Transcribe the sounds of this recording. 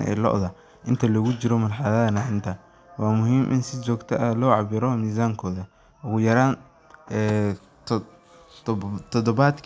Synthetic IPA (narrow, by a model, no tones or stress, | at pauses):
ʔɛ̰jlɔ̰ʔðɐ | ʔɪnt̪ʰɐlɐɣʊt͡ʃɪɾɔmɐnħɑðɐðɐnɐhɪnt̪ʰɐ | wɑːmʊɦiːmʔɪ̰nsɪt͡ʃɔːɡt̪ʰɐʔɐlɔːʕɑbɪɾɔmiːs̬aːŋkʰɔːðɐ | ʔʊɣʊjɐɾaːn | ɛ | t̪ʰɔd̪ɔβaːd̪kʰ